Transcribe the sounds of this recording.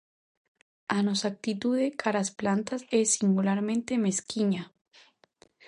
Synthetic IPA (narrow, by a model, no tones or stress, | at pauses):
anosak̚t̪it̪uðekʰaɾasplant̪asesːiŋɡulaɾmẽ̞nt̪e̞me̞skiɲa